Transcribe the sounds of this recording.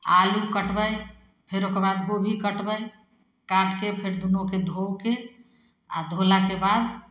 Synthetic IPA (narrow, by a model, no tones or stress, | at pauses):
alukəʈbəj | pʰeɾokeɾbad̪ɡobʱikəʈbəj | kaɽkepʰeɾd̪unoked̪ʱowke | ad̪ʱolakebad̪